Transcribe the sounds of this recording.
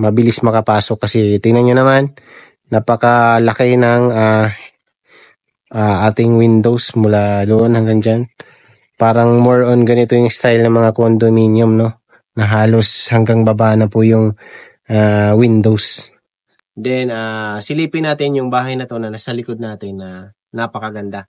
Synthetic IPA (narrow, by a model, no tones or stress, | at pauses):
mɐbɪlɪsmɐkɐpaːsok̚kːɐsɛt̪ɪnɐnɲonɐmanː | ɐpɐkɐlɐkɛnɐŋa | ʔaʔaːt̪ɪŋwɪnd̪o̞wsmʊlaloːʔonhɐŋɡaŋd͡ʒan | paːɾɐŋmoɹʔonɡɐnɪt̪o̞jʊŋst̪ajlnɐŋmɐŋakond̪ominjʊmno̞ | nɐɦaːlo̞shɐŋɡaŋbɐbaːnɐpʊjʊŋ | ʔawɪnd̪ows | d̪ɛnasɪliːpɪnaːt̪ɪnjʊŋbaːɦɐjnɐt̪o̞nɐnasɐlɪkod̪̚naːt̪ɪnːɐ | nɐpɐkɐɡɐnd̪a